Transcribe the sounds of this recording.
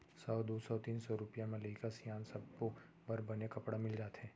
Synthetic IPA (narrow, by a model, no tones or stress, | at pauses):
sɔːd̪oːsɔt̪iːnsɔɾʊpijãmẽleɪkasjaːnsɐb̚ko | bɐɾbɐnekɐpɽamɪld͡ʒaːt̪ɦɛ̃ː